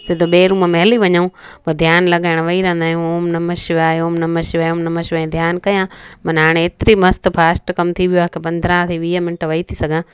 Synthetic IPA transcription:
sɪd̪ʱoɓeːɾũːməmɐɦliʋɐɲəũpod̪ʱjaːnlɐɠaːɪɽ̃ʋɐiɾɐ̃n̆d̪aːɦijũoːmnɐməʃʋaːjoːmnɐmɐʃʋɐjõːnɐmɐʃʋɐẽd̪ʱjaːnkɐjãmɐ̃nɦaːɽ̃ẽeːt̪ɾimɐst̪pʰaːsʈkɐmt̪ʰiʋijoãkʰepɐ̃nd̪ʱɾãt̪ʰiʋiːəmɪnʈʋɐit̪ʰisɐɡʱãː

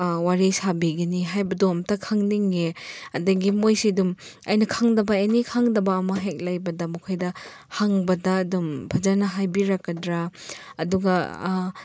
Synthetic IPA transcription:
waɾisabiɡɐniɦajbɐdomtɐkʰaŋniŋeɐdɐɡimojsiduma̰jnɐkʰaŋdɐbɐenikʰaŋdɐbɐːmɐɦek̚lajbɐdɐmukʰojdɐ | haŋbɐdɐːdumbʱad͡ʒaɾnɐɦajbiɾakːɐdɾaːduɡɐ

